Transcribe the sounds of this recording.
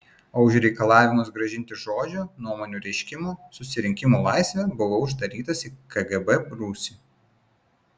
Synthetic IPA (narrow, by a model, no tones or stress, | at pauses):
oʊʃʲɾʲɛɪkɐlˠɑːʋʲɪmʊs̬ɡɾɐʒʲɪnʲt̪ʲɪʒoːd͡ʒʲoːnuɔmoːnʲuːɾʲɛɪʃʲkʲɪmoːsʊsʲɪɾʲɪŋʲkʲɪmolˠɑˑɪsʲʋʲɛbʊʋoːʊʒd̪ɐɾʲiːt̪ɐsiːkɐɡɛbɛbɾuːsʲi